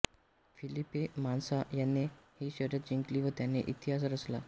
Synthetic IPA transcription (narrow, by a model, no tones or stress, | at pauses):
filipemansajanːehiːɕəɾjət̪̚d͡ʑiŋkliːʋət̪janːeʔit̪iɦasɾəsla